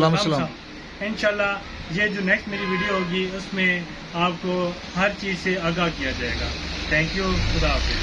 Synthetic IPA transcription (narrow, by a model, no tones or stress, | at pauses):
laːmɐsɐlaːa | ɪnʃaːlːa | jed͡ʒoːnɛːksʈmeːɾiʋiːɖioɦoːɡiʊsmẽ | aːpko | ɦɐɾt͡ʃiːzseɐɡakijad͡ʒaːeːɡa̰ːt̪ʰɛ̃ːŋkjuxʊd̪aːf